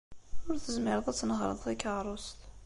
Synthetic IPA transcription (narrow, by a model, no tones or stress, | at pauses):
ʊɾθəzmɪɾˤəðˤæt͡sːnəʁɾˤə̰ðˤθikɑʁɾˤʊst̪